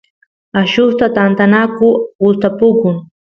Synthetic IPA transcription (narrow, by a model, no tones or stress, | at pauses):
aʃʊst̪at̪ant̪anakʊʊst̪apʊkʊŋ